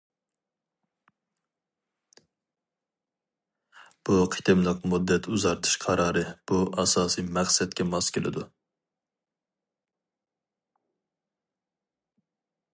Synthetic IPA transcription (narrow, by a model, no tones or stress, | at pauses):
b̥uqʰi̥t̪ʰɪmlˠɨq̚mud̪ːɛt̪ʰuzɑɾt̪ʰɨ̥ʃqʰɑɾɑːɾɨb̥uʔɑsɑːsimæχsɛt̪kʲɛmɑskʲʰelɪ̰d̪u